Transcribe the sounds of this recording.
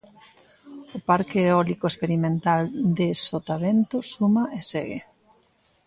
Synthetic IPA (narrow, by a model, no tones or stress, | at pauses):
ʊpaɾkeːɔlikoespeɾimẽnt̪ald̪esot̪aβent̪ʊsumaʔeseɣḛ